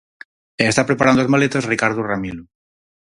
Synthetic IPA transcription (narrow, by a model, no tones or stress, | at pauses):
eːst̪apɾe̞paɾand̪oozmalet̪ozrikaɾðuramilu